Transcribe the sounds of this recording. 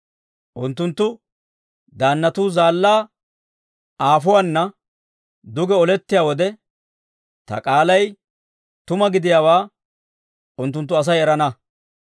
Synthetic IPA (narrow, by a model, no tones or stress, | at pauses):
ʔʊnt̪ːʊnt̪ːʊ | d̪aːnːɐt̪uːzaːlːaː | ʔaːfʊwanːɐ | d̪ʊɡɛɔlɛt̪ːɪjaːwɔd̪ɛ | t̪ɐ̰kʼaːlɐj | t̪ʊmɐɡɪd̪ɪjaːwaː | ʊnt̪̬ːʊnt̪ːʊɐs̬ɐjɛɾɐnɐ